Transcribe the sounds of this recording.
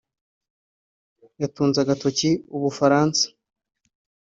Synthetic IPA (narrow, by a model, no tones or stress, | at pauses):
jatuːnzaɡatociuβufaɾaːnsḁ